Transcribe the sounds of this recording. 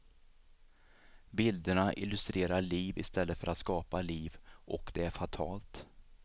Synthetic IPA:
bɪld̪əɳaʔɪ̰lːɵst̪ɾeːɾaɭiːvɪ̰st̪ɛlːət̪fœɾat̪skɑːpaliːvʔɔkd̪ɛæɾfat̪ʰɑːlt̪

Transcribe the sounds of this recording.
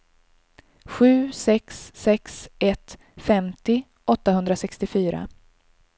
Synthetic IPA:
ɧʉ̟ːsɛksːɛksɛt̪ | fɛmt̪ɪ | ɔt̪ːahɵnd̪ɾasɛkst̪ɪfyːɾa̰

